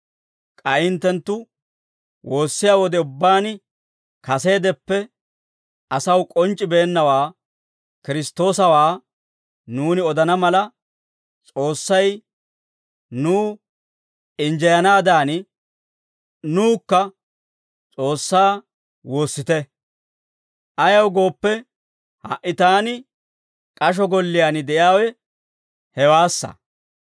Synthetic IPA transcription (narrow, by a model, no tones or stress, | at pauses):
kʼɐʔɪnt̪ːɛnt̪ːʊ | wo̞ːsːɪjaːwɔd̪ɛʊbːaːn | kɐse̞ːd̪ɛpːɛ | ɐsɐwkʼɔnt͡ʃʼːɪbeːnːɐwaː | kɪɾɪst̪ːo̞ːsɐwaː | nuːnɪɔd̪ɐnɐmɐlɐ | t͡sʼo̞ːsːɐj | nuː | ɪnd͡ʒɛjɐnaːd̪aːnɪ | nuːkːɐ | t͡sʼo̞ːsːaː | wo̞ːsːɪt̪ɛ | ʔɐjɐwɡo̞ːpːɛ | hɐ̰ʔːɪt̪aːnɪ | kʼɐʃ̬ɔɡɔlːɪjanɪd̪ɛʔjaːwɛ | hɛwaːsːɐ̰